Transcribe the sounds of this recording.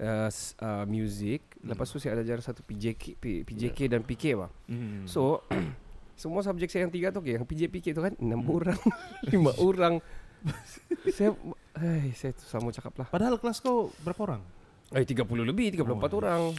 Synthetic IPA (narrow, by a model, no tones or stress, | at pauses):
əsəmjuzɪk̚ləpast̪usajadad͡ʒaɾasat̪u̥pid͡ʒekppid͡ʒekedanpikeba̰hso | səmuas̬ab̚d͡ʒɛk̚saajaŋt̪iɡat̪ukejaŋpid͡ʒepiket̪ukanənamoɾaŋlimaʔoɾaŋ | sajaajsajat̪u̥səlamut͡ʃakaplahpadaɦalkəlaskawbəɾapaoɾaŋ | əjt̪iɡapululəbɪht̪iɡap̬ulumpat̪oɾaŋ